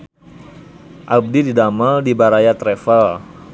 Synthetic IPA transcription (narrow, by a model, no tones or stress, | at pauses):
ʔab̚dididaməldibaɾajat̪ɾɛfal